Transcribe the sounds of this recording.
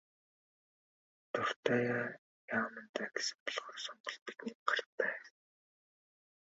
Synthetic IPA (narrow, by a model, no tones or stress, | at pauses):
t̪ʊr̥t̪aːjaː | jaːmə̆nt̪æːɡe̥sɘ̥̆mpɔɮχɔːrsɔɴɢɞ̆ɮpi̥t̪niːkɢarpæː